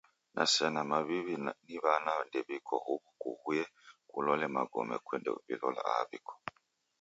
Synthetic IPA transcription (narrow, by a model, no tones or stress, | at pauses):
nʔasɛnamaβiβiniβanandɛβikʰɔ̰huβukuhujɛkulɔlɛmaɡɔmɛ̰kwɛndɛ̰uβḭlɔla̰a̰βikʰɔ̥